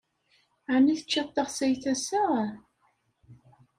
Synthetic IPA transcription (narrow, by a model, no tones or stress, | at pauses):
ʕaniθə̥t͡ʃːɑt̪ˤːəʁsæjθæsə